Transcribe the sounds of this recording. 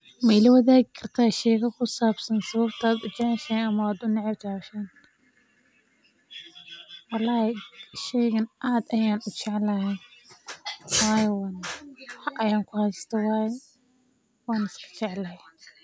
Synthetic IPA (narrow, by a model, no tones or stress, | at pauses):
mɛɪlɐwɐðaːɣɪkʰɐrt̪ʰaːʃɛːɣɐkʰʊsaːbsɐnsɐβɐbt̪ʰaːd̪ʊt͡ʃɛʕɛʃɛːnɐmɐaːd̪ʊnɪʕɪbt͡ʃʰaʃɛːn | wɑlːɑːhɛʃɛjɣɐnʔaːd̪ɐjaːnʊt͡ʃɪʕɛlɐhɛn | waːjɛwaːnħʔɐjaːŋkʰʊhɐjst̪ʰɐwɑːjɛ | wɑːnɪskʰɐ̥t͡ʃɛʕlɐh